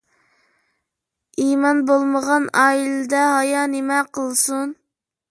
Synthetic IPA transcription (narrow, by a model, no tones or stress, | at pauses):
imɑnbolˠməʁɑnɑːilɪd̪ɛɦɑjɑnemɛqəlˠsun